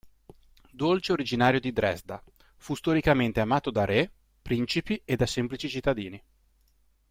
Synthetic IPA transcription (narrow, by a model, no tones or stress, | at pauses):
d̪olt͡ʃeoɾid͡ʒinaːɾjod̪id̪ɾɛzd̪a | fust̪oɾikament̪eamaːt̪od̪aɾe | pɾint͡ʃipied̪asɛmplit͡ʃit͡ʃit̪ːad̪iːni